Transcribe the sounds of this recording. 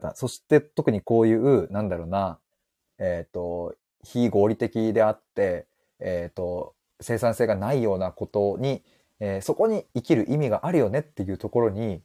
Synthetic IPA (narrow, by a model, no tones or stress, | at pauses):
t̪a̰so̞ɕi̥t̪e̞t̪o̞kɯ̟ɲ̟iko̞ːjɯ̟ːɯ̟nãnd̪aɾo̞ːna | eːt̪ːo̞ | çiɡo̞ːɾʲit̪e̞kʲid̪e̞at̪ːe̞ː | t̪o̞ | se̞ːsãɰ̃se̞ːɡanaijo̞ːnako̞t̪o̞ɲ̟i | eːso̞ko̞ɲ̟iikʲiɾɯ̟ʔimʲiɡaʔaɾɯ̟jo̞ne̞t̪ːe̞jɯ̟ːt̪o̞ko̞ɾo̞ɲ̟i